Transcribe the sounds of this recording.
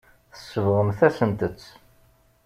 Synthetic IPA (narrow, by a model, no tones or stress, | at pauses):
θə̥sːəvʁəmθæsənt̪ət͡sː